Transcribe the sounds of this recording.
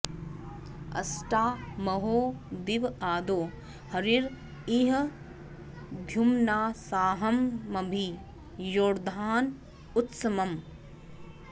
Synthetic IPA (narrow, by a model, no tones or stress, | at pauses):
ɐ̰sʈaːmɐɦoːd̪iʋaːd̪oː | hɐɾiɾ | iːɦɐ | bʱjumnaːsaːɦɐmːɐbʱi | joːɾd̪ʱaːn | ut̪sɐmɐm